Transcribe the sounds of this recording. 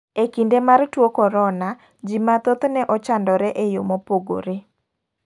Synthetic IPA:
ekindemartwokɔɾɔna | d͡ʒimat̪ot̪nɛʔɔt͡ʃandɔɾɛʔejomopoɡo̰ɾe

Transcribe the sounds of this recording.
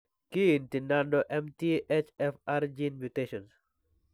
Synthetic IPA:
kintinandɔʔɛmtiʔet͡ʃɛfaɾd͡ʒinmjuteʃɔns

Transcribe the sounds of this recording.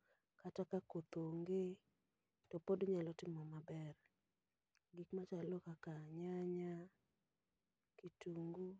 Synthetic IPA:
katakakot̪oŋɡe | tɔpodɲalɔtɪmɔmabɛr | ɡikmat͡ʃalokakaɲaɲa | kituŋɡu

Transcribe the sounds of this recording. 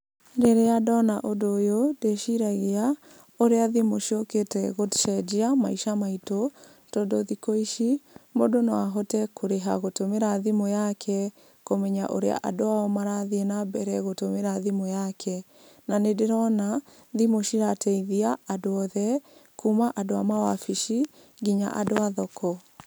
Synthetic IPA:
ɾeɾeadɔnaʔodojodeʃiɾaɣea | oɾeaðimoʃioketɛɣotʃɛd͡ʒiamaiʃamaito | tɔdoðikoiʃimodonoaɦɔtɛkʰoɾeɦa̰ɣotomeɾaðimojakʰɛ | komɛɲaʔo̰ɾea̰ʔa̰doaɔmaɾaðienabɛɾɛɣotomeɾaðimojakʰɛ | nanedeɾɔna | ðimoʃiɾatʰɛiðiaadoɔðɛkumaʔadoamawafiʃi | ɡiɲa̰ʔa̰doaðɔkʰɔ

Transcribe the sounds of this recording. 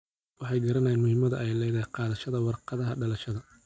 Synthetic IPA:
wɑħɑjɡɐɾɐnɐjɪnmʊhɪmɐðɐ̰ʔɛjlɛðɐqɑːðɐʃɐðɐwɑrqɑðɐɦɐɖɐlɐʃɐðɐ

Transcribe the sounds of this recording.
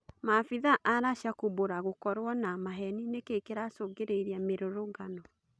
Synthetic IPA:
mafiðaʔaɾaʃakuboɾaɣokɔɾwɔnamaɦɛninekekeɾasoŋɡeɾeiɾeameɾoɾoŋɡanɔ

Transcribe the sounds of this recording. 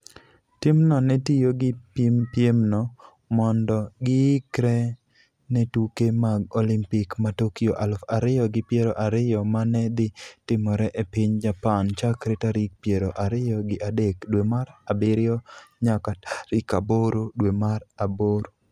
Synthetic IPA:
tɪmnɔnɛtijoɡɪpmpjemnɔ | mɔndɔɡɪɪkɾɛ | nɛtukemaɡolimpikmatokijoʔalfaɾɪjɔɡɪpjeɾoʔaɾɪjɔmanɛd̪ɪtɪmɔɾɛʔepɪɲd͡ʒapant͡ʃakɾetaɾik̚pjeɾoʔaɾɪjɔɡɪʔadekdwemaɾabɪɾɪɔɲakaɾɪkaboɾodwemaɾaboɾo

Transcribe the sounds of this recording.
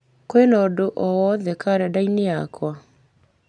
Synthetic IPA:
koenɔːdoʔɔwɔðɛkaɾɛdaineakwa

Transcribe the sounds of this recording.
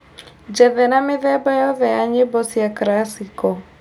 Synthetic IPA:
d͡ʒɛðɛnameðɛbajɔðɛjaɲebɔsjakɾasikɔ

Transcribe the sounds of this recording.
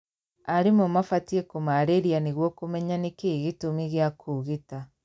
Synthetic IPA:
aɾimomafatiekomaɾeɾianiɣwɔkomɛɲanikeɣitomiɣjakʰuɣita

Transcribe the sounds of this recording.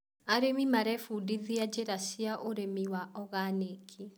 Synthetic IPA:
aɾemimaɾɛfudiðiad͡ʑeɾasiaʔoɾemiwaʔɔɣanekʰi

